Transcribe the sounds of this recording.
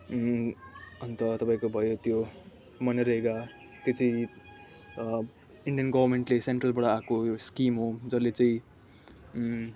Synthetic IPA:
ʌnt̪ʌt̪ʌpaĩkobʱʌjot̪jo | mʌneɾʌɦeka | t̪jot͡sʌĩ | iɳɖijʌnɡʌbʱʌrmeɳʈleseɳʈrʌlbʌɽaakojskimɦod͡zʌlːet͡saĩ

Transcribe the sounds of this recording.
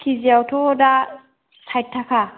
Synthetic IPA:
kʰiziawtʰɔda | sʰajt̚tʰːakʰa

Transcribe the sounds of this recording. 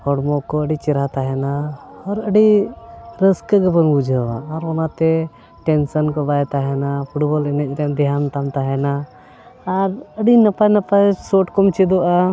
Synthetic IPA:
hɔɽmɔkɔəɖit͡ʃɛɾat̪aɦɛnaɔɾəɖi | ɾəskəɡəpənbud͡ʒʱəwaːɾɔnat̪ɛ | ʈɛnsənkɔbaɛt̪aɦɛnapʰuʈbɔlɛnɛc̚ˀɾɛnd̪ɛɦant̪amt̪aɦɛnaː | ɾəɖinəpanəpasɔʈkɔmt͡ʃɛd̪ɔʔa

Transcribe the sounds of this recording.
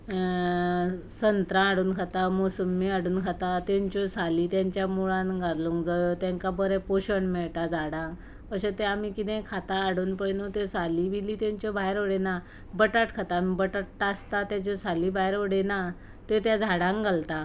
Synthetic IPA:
sənt̪ɾãːɽuːnkʰat̪amosəmːiaɽuːnkʰat̪at̪ẽɲt͡ɕɔsalit̪jaɲt͡ɕjamuɭãnɡaɾluŋkd͡zajot̪jãŋkabəɾɛ̃poɕəɳmeɭt̪ad͡zʱaɽãŋ | pəɕet̪eamikit̪ɛ̃kʰat̪aːɽuːnpəɭnot̪esalibiliːt̪ãɲt͡ɕɔbajɾoɽena | bəʈaʈkʰat̪amibəʈaʈʈast̪at̪jat͡ɕɔsaliːbajɾoɽena | t̪et̪jad͡zʱaɽãŋɡalt̪a

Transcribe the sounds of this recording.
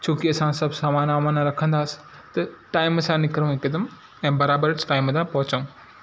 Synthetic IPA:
t͡ɕʰoːkiɐsãsɐbsaːmaːnaːmaːnaɾɐkʰə̃nd̪aːsɪ̥ | t̪ɐʈaːɪmɐsãnɪkɾũɪkɐd̪əm | ɛ̃ːbɐɾaːbəɾsʈaːɪmɐd̪ãpɐɦʊt͡ɕɐ̃

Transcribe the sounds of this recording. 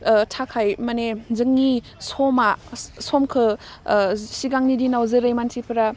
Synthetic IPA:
tʰakʰajmɐnezɯŋːi | sɔmasɔmkʰɯ | siɡaŋnidinawzɯɾajmansipʰɾa

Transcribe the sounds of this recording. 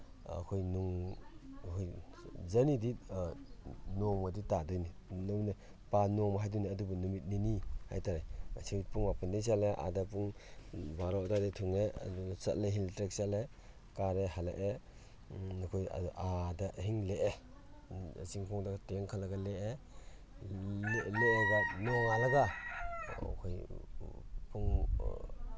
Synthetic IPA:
ɐ̰kʰojnuŋ | kʰojzɐnidi | nɔŋmaditadɯjninɯwne | panɔmɦajduneɐdubɐnumit̚niniha̰jtaɾeasʰiwpʰuŋmapʰandejs̬aleʔa̰dapuŋbaɾɔʔdadetʰuŋeɐ̰dusɐ̰t̚leɦiltɾek̚sale | kaɾehala̰ʔe | nɔkʰoja̰dɔʔadaɦiŋleʔe | a̰siŋpʰɔŋdakteŋkʰalaɡaleʔe | leeɡaneaŋalaɡa | ɔ̰kʰoj | pʰuŋ

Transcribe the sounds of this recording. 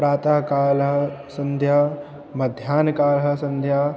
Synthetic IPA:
ɾaːt̪aːkaːlɦɐsɐ̃nd̪ʱjaː | mɐd̪ʱjaːnkaːlɦə̆sɐ̃nd̪ʱjaː

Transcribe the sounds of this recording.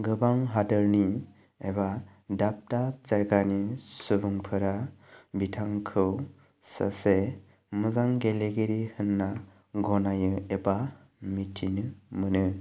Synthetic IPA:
ɡɯbaŋɦadɯɾni | eba | dap̚tap̚t͡ʃajɡanisubuŋpʰɯɾabitʰaŋkʰɯw | sa̰se | mɯzaŋɡeleɡeɾihɯnːa | ɡɔnajɯeba | mitʰːinɯmɯnɯ

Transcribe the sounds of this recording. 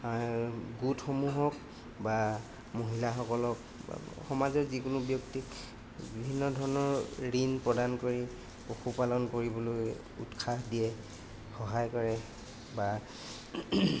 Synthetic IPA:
ɡutxomuɦɔk̚ | ba | moɦilaxɔkɔlɔk | xɔmazɔɹzikʊnʊbjɔktik | bibʱinːɔdʱɔɹɔnɔɹɹinpɹɔdankoɹi | oxʰupalɔnkoɹibɔloj | ṵtkʰaɦdiɛ | xɔɦajkɔɹɛ | ba

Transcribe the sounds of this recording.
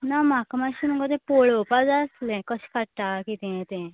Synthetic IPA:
namakmaɕinuŋɡət̪ẽpoɭopad͡zaəslɛ̃kəɕkaʈʈ̪akit̪ɛ̃t̪ẽ

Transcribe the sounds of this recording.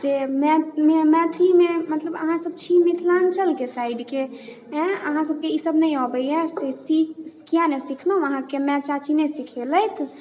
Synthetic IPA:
d͡ʒemɛmemɛ̃t̪ʰɾimemət̪ləbə̰ɦãsəb̚t͡ʃʰimit̪ʰlant͡ʃʰəlkesaiɖkẽ | əɦãsəb̚keisəbnəjɔbəjɛsesiksi̥kijanesikʰləɦũəɦãkemɛ̃t͡ʃat͡ʃʰinɛsikʰeləjt̪ʰ

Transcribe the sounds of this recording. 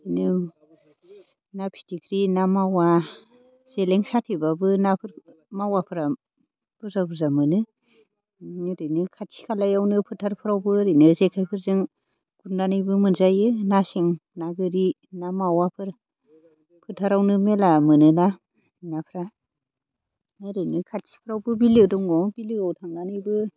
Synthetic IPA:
ɯnɯ | napʰi̥tʰikʰɾinamawa | z̥eleŋsatʰibabɯnapʰɾ | mawapʰɯɾa | b̥uzabuzamɯnɯ | nɾɯjnɯkʰatʰi̥kʰalajawnɯpʰɯtʰaɾpʰɯɾawbɯɾɯjnɯzekʰajpʰɯɾzɯŋ | ɡ̥undanɯjbɯmɯnzajɯnaseŋnaɡɯɾi | namawapʰɯɾ | pʰɯtʰaɾawnɯmelamɯnɯna | napʰɾa | neɾɯjnɯkʰatsi̥pʰɯɾawbɯbilɯdɔŋɡɔŋbilɯawtʰaŋdanɯjbɯ

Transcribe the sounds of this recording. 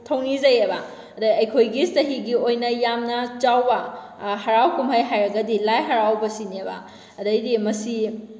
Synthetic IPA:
tʰɐwnizɐjebɐ | ɐdɐjɐjkʰojɡistɐɦiɡiojnɐjamnɐt͡ʃawbɐ | ɦɐɾawkumɦɐjɦajɾɐɡɐdilajɦɐɾawbɐsinebɐ̰ | ɐdɐjdimɐsi

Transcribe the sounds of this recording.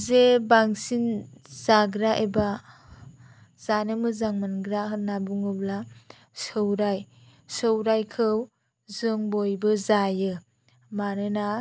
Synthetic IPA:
zebaŋsinzaɡɾaʔeba | z̥anɯmɯzaŋmanɡɾaɦɯnːabuŋɯbla | sɯwɾaj | sɯwɾajkʰɯw | zɯŋbojbɯzajɯ | maɾɯna

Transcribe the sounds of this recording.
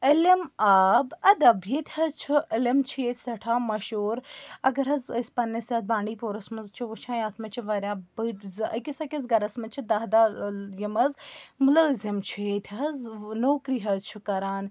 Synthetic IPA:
ɐlɐmaːbɐd̪ɐbjet̪ʰʲhɐzt͡ʃʰiəlɐmt͡ʃʰeːt̪ʰʲsɐʈʰaːmɐʃoːɾɐɡɐɾɦɐzɐsʲpɐnːɐsɐz̚bãːɳɖiːpoːɾɐsmɐzt͡ʃʰiʋut͡ʃʰãːjaːt̪ʰmɐt͡ʃʰiʋɐɾʲjaːbɨzɐkʲisɐkʲɐzɡɐɾɐsmɐt͡ʃʰid̪ɐɦd̪aːjɐmɐzmʊləːzimt͡ʃʰeːt̪ʲʰɦɐznoːkɾiːɦɐzt͡ʃʰikɐɾaːn

